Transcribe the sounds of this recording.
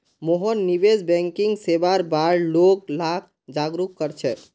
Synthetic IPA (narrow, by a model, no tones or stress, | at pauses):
moɦɔnːiʋed͡ʒbɛ̃ŋkiŋɡsebaɾbaɾloɡlak̚ʰ | d͡ʒaɡɾukːəɾt͡ʃʰɛ